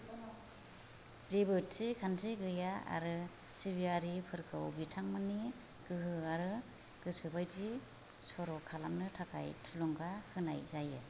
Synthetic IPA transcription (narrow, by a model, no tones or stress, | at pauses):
zebɯtsikʰansʰiɡɯjaa̰ɾɯ | siβiaɾipʰɯɾkʰɯwbitʰaŋmɯni | ɡ̥ɯɦɯaɾɯ | ɡ̥ɯsɯbajdi | sɔɾɔkʰalamnɯtʰakʰa̰jtʰulɔŋɡahʰɯna̰jzajɯ̰